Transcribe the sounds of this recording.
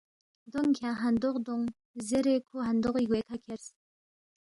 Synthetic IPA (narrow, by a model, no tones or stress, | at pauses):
d̪oŋkʲʰaɦand̪oχd̪oŋ | zeɾekʰoɦand̪oχikwek̪ʰakʲʰers